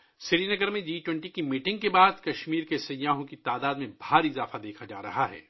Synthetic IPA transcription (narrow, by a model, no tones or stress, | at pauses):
sɪɾiːnɐɡəɾmẽd͡ʒiːʈwɛ̃ɳʈikimiːʈɪ̃ŋɡ̚kebaːd̪kɐʃmiːɾkesɐjaːɦõkit̪aːd̪aːd̪mẽbʱaːɾiɪzaːfad̪eːkʰad͡ʒa̰ːɾɐ̰ɦaɦɛ̰ː